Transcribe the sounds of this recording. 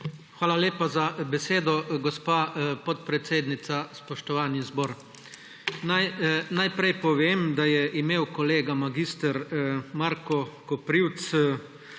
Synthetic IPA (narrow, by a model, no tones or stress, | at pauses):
xʋaːlaleːpazabɛseːd̪ɔɡɔspaːpɔt̪̚pɾɛt̪seːd̪nit̪saspɔʃt̪ɔʋaːnizbɔːɾ | najnajpɾɛjpɔʋeːmd̪ajɛʔimeːwkɔleːɡamaɡist̪əɾmaɾkɔkɔpɾiwt̪s